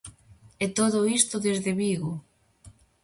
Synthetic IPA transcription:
et̪oðʊist̪ʊðezðeβiɣʊ

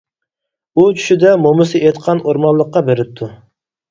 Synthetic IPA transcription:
ut͡ʃʰy̥ʃid̪ɛmomɨsɨʔet̪qʰɑnoɾmɑnlˠəqːɑbeɾɪp̚t̪ʰːu

